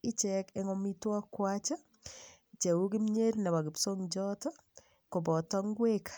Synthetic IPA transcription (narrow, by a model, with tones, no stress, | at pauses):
ɪ˦t͡ʃɛkɛ˦ŋɔ˦mi˦twɔ˦kwat͡ʃɔ˦ | t͡ʃe˨wu˦ɡi˦mɲe˦ɾna˨wa˨ɡɪ˨pso˦ŋd͡ʒɔ˦tɔ˦ | ko˨bɔ˨tɔ˦ŋɡwe˦k